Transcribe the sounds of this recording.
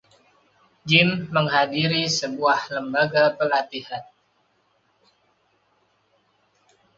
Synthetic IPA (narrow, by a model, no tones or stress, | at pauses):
d͡ʒɪmːəŋɦadiɾisəbuahləmbaɡapəlat̪ihan